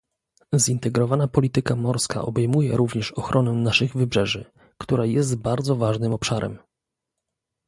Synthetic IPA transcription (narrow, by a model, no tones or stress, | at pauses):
zint̪ɛɡɾɔvanapɔlʲit̪ɘkamɔɾska̰ʔɔ̰bɛjmujɛɾuvɲɛʂɔxɾʔɔnɛnaʂɘɣvɘbʐɛʐɘ | kt̪uɾajɛs̬t̪baɾd̪zɔvaʐnɘmɔpʂaɾɛ̰m